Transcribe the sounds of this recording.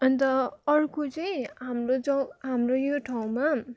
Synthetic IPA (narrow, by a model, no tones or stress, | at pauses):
ʌnt̪ʌʌrkot͡sʌĩɦamrod͡zʌɦamrojoʈʰaw̃ma